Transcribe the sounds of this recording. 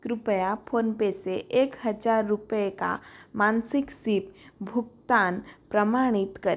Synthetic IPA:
kɾupəjapʰonpeseʔekhəd͡ʒaɾːupjeka̰mansiksip̚bʱuk̚t̪anpɾəmaɽ̃it̪kəɾ

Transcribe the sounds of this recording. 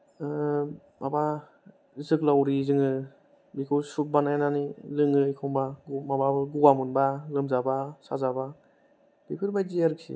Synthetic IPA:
maba | zɯk̚lawɾizɯŋɯ | bikʰɯsup̚banajananilɯŋɯikʰɔŋbaɡmababɯɡuwamunbalɯmzabasa̰zaba | b̥epʰɯɾbajziaɾɯk̚sḭ

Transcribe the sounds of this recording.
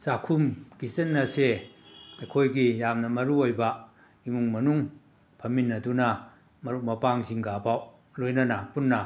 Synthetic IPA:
z̥akʰumkisenːɐsedɐkʰojɡijamnɐmɐɾuojbɐ | imuŋmɐnuŋ | pʰɐminːɐdunɐ | mɐɾumɐpaŋziŋɡaːpʰaw | lojnɐnapunːɐ

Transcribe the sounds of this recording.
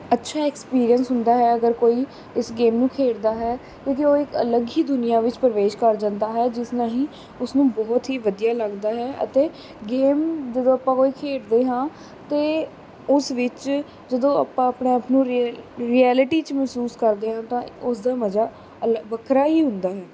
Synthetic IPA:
ətːʃʰaːɛːkspiːɾijənsɦʊnd̪aːɦɛːəɡəɾkoːiː | ɪsɡeːmnũːkʰeːɽd̪aːɦɛː | kõːkioːɪkə̰ləɡiːd̪ʊnɪjaːʋɪt͡ʃpəɾəʋeːʃkəɾd͡ʒãnd̪aːɦɛːd͡ʒɪsnãːɦĩː | ʊsnũːbɔːt̪ɦiːʋəd̪ijaːləɡd̪aːɦɛːʔə̰t̪eː | ɡeːmd͡ʒəd̪õːəpːãːkoːiːkʰeːɽd̪eːɦãː | t̪eː | ʊsʋɪt͡ʃ | d͡ʒəd̪õːə̰pãːəpɳeːəpnũːɾɾiːɛːlɪʈiːt͡ʃmɛːsuːskəɾd̪eːɦãːt̪ãːʊsd̪aːməd͡ʒaː | əlʋəkʰɾaːɦiːɦʊ̃nd̪aːɦɛː

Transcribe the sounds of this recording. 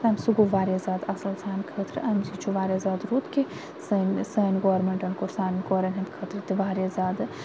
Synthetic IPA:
ɐmʲsuɡuʋaːɾʲɐzʲaːd̪ɐsɐlsaːnʲkʰɐːt̪ʰɾɨ̰ʔɐmzit͡ʃʰuʋaːɾjɐzaːd̪ɾuːt̪ki | sɐnsɐːnʲɡoːɐɾmeɳʈɐnkoɾsaːnɡoːɾɐnʲɦɐmkʰɐːt̪ɾɨt̪iʋaːɾjazʲaːd̪ɨ

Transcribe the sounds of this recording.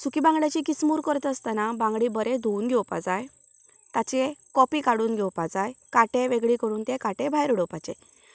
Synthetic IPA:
sukibãŋɡɽjat͡ɕikismuːɾkəɾt̪əst̪anabãŋɡɽibəɾed̪ʱuunɡʱɛwpa̰d͡zaj | t̪at͡ɕekɔpikaɽuːnɡʱɛwpad͡zajkaʈeʋeɡɭikəɾuːnt̪ekaʈebʱajɾɽɔpat͡ɕe

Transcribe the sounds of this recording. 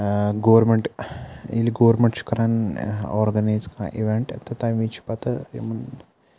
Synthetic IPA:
ɡoʋɾmeɳʈiliɡoʋɐɾmeɳʈʃu̥kɐɾanɔ̰ɾɡɐnajzkã̰ʔḭʋeɳʈɐ̰t̪at̪ãʋit͡ʃʰi̥pat̪ɐmɐn

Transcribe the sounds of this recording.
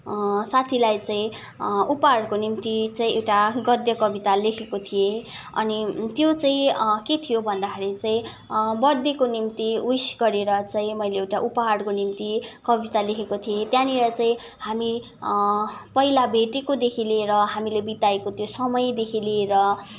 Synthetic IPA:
sat̪ʰilajt͡saĩ | upʌɦaɽkonimt̪it͡saĩewʈaɡʌd̪jʌkʌbit̪alekʰekot̪ʰije | ʌ̰nit̪jot͡saĩket̪ʰijobʱʌnd̪akʰaɾit͡saĩ | bʌrd̪ikonimt̪iwisɡʌɾeɾʌt͡saĩmʌjleːwʈaʔupaɦaɽkonimt̪ikʌbit̪alekʰekot̪ʰijet̪jãnilʌt͡saĩ | hami | pʌilabʱeʈekod̪ekʰileɾʌɦamilebit̪aekot̪josʌmʌjd̪ekʰileɾʌ

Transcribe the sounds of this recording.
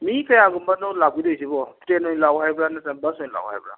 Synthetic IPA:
mĩkajaɡumbanolaɡʷidoisibɔtenõĩlawhaibɾanasɛ̃basõĩla̰w̰a̰bɾa̰

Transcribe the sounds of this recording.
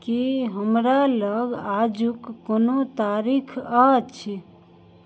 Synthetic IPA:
kiɦəmɾaləɡad͡ʒukːonot̪aɾikʰat͡ʃʰi

